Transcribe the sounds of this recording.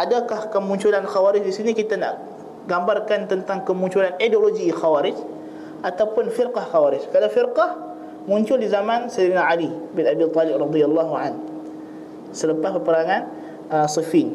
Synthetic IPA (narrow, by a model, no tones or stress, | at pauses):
ʔadakahkəmuɲt͡ʃulanxawaɾɪd͡ʒdisinikit̪ana̰ʔ | ɡambarkant̪ənt̪aŋkəmuɲt͡ʃulanidoloɡixawaɾɪd͡ʒ | ʔat̪awpʊnfɪrqɑhxawaɾɪd͡ʒkadafirqɑh | muɲt͡ʃʊldizamansaɾinaalibɪnabit̪ˤɔlɪp̚rɑd̪ialːaɦuʕan | sələpaspərpəɾaŋan | əsifin